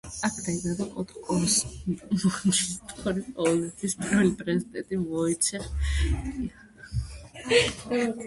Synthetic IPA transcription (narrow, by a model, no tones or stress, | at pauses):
akʰd̪aimad̪akʼɔt̪ʼkʼɔsmɔt͡ʃist̪ʼɔɾiqʼɔvɛlˠɛt̪ʰwispʼɾɔɛlipʼɾɛzid̪ɛnt̪ʼimɔit̪sʰɛχ